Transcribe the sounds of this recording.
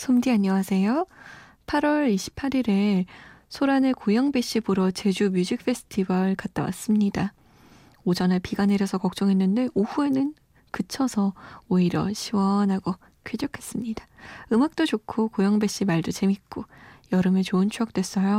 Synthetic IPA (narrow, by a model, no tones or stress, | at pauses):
sʰomdiaɲːʌwasʰe̞jo | pʰaɾwʌɾiɕʰi̥pʰːaɾiɾe̞sʰoɾanekojʌŋbe̞ɕ͈ibuɾʌt͡ɕe̞d͡ʑumjud͡ʑik̚f͈ʰe̞sʰɯ̥tʰibʌɭkat̚t͈awa̰s͈ɯmɲida | od͡ʑʌnapiɡaneɾjʌsʰʌkʌk̚t͡ɕ͈ʌŋɦe̞nːɯnde̞ʔuɸue̞nɯn | kɯt͡ɕʰʌsʰʌoiɾʌ̰ɕʰiwʌnɦaɡo | kʰɥed͡ʑokʰe̞s͈ɯmɲidaɯmak̚t͈ot͡ɕokʰokojʌŋbe̞ɕ͈imaɭdot͡ɕe̞mik͈ojʌɾɯmet͡ɕoɯnt͡ɕʰujʌk̚t͈we̞s͈ʌjo